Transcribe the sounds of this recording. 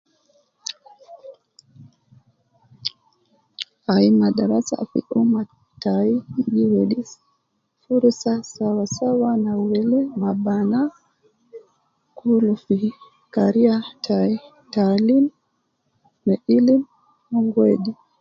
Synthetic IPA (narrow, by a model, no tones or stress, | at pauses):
ʔajmadaɾasa̰fḭʔuma | tajiɡiweɗis | fuɾsasawasawanawelɛmabana | kʰulufi | kaɾijatʰai | talim | ɛʔilim | hɔŋɡedi